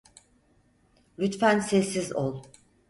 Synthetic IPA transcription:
lʲyt̪fænsɛsːizolˠ

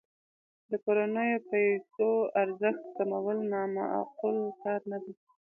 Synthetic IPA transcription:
d̪əkoɾanəjopajsoaɾzəxt̪kamawəlnɑma̰a̰qʊlkɑɾnad̪i

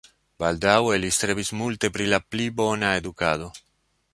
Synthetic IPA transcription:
bald̪awelist̪ɾebismult̪e̞pɾilaplibonaed̪ukado̞

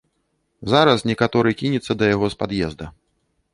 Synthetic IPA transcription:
zaɾɐsnʲɛkat̪ɔɾɨkʲinʲɛt̪sːɐd̪ɐjaɣɔspad̪jɛzd̪ɐ

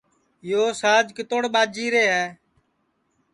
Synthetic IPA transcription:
joːsaːd͡ʒkɪt̪oːɽɓaːd͡ʒiːɾeːɦɛː

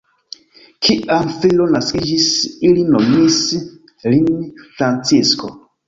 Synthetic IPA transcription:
kʰiʔamfilonaskid͡ʒisilinomis | linfɾant͡sisko̰

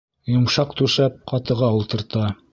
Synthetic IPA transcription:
jŏmʃɑqt̪ʉʃæp̚qɑt̪ɤ̆ʁɑulˠt̪ɤ̆ɾt̪ɑ

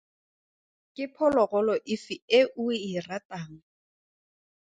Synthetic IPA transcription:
kʼɪpʰɔlɔɣɔlɔʔɪfieʔuɪrataːŋ̩

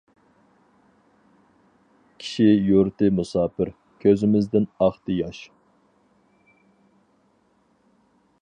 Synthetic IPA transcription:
kʲʰi̥ʃijuɾt̪ɨmusɑːpɪɾ | kʲʰøzɪmɪzd̪ɪnɑχt̪ɨjɑʃ

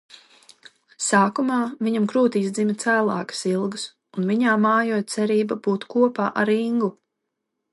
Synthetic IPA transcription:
saːkumaːviɲamkɾuːt̪iːsd̪zimit̪sæːlˠa̰ːkɨ̥silˠɡəs | unviɲaːmaːjuɔjt̪sɛɾiːbabuːt̪kuɔpa̰ːʔaɾiŋɡu

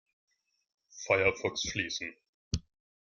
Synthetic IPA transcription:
faɪɐfɔlksfliːsn̩

